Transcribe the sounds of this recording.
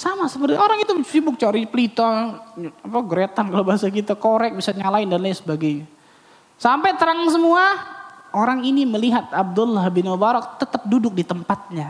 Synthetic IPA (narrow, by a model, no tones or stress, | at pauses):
samasəpərt̪ioɾaŋit̪usibʊk̚t͡ʃaɾipəlit̪ɔ | apaɡəɾet̪ankalawbaɦasak̬it̪akoɾɛk̚bisaɲalaɪndanlasəbaɡajɲa | sampajt̪əɾaŋs̬əmuaoɾaŋiniməliɦat̪̚ab̚dʊlːahbinobaɾɔk̚t̪ət̪əp̚dudʊk̚dit̪əmpat̪̚ɲa